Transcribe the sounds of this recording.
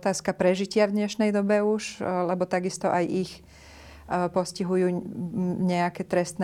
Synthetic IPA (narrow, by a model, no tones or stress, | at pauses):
t̪aːskapɾɛʒicɪavd̪ɲɛʃnɛjd̪ɔbɛuʃlɛbɔt̪aɡist̪ɔʔajix | pɔsciɦujuː | ɲɛakɛt̪ɾɛst̪nɛ